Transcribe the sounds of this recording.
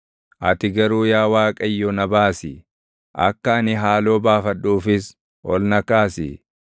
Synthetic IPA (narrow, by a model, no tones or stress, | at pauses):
ʔɐt̪ɪɡɐɾuːjaːwaːkʼɐjːɔnɐbaːsɪ | ʔɐ̰kːɐɐnɪɦaːlo̞ːbaːfɐᶑuːfɪs | ʔɔlnɐkaːsɪ̰